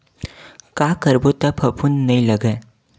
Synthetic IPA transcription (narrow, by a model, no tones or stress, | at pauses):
kakəɾbot̪əpʰəpʰunnəiləɡə